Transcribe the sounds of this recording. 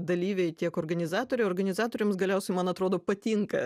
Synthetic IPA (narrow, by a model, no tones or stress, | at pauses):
d̪ɐlʲiːʋʲɛɪt̪ʲiɛkoːɾɡɐnʲɪzɑːt̪oːɾʲɛɪoːɾɡɐnʲɪzɑːt̪oːɾʲɛmsɡɐlʲɛʊsʲɛɪmɐnɐt̪ɾoːd̪oːpɐt̪ʲiŋkɐ